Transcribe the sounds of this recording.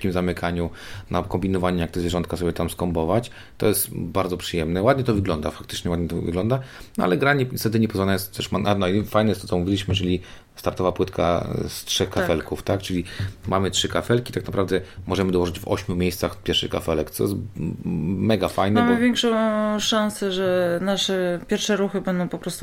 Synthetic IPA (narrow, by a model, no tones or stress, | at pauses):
kʲimzamɘkʰaɲunakɔmbʲinɔvaɲɛjakt̪ɛzvʲjeʐɔnt̪kasɔbjɛt̪amskɔmbɔvat͡ɕ | t̪ɔ̰jɛst̪baɾd̪zɔpʂɨjɛmnɛwad̪ɲɛt̪ɔvɘɡlɔnd̪a̰fak̚t̪ɘ̥t͡ʂɲɛwad̪ɲɛt̪ɔvɘ̰ɡlɔnd̪anɔʔa̰lɛɡɾaɲɛst̪ɛt̪ɘɲɛpɔzvanajɛst̪ɛʂmananɔifajnɛjɛst̪ɔt͡s̪ɔmuvʲilʲiɕmɘjɛɛlʲi | st̪aɾt̪ɔvapwɘt̪kʰa̰stʂɛxkafɛlkuft̪ak̚t͡ʂɘlʲimamɘtʂɘkafɛlkʲit̪aknapɾavd̪ɛmɔʐɛmɘd̪ɔwɔʐɘd͡ʑvɔ̰ɕmʲjumʲejst̪saxpʲjɛɾʂɘ̰xka̰fɛlɛkt̪sɔ̰jɛst̪ | mɛɡafajnɛamvʲjɛŋkʂɔ̃w̃ʂãñsɛʐɛnaʂɛpʲjɛɾfʂɛɾuxɘbɛnd̪ɔ̃w̃pɔpɾɔst̪u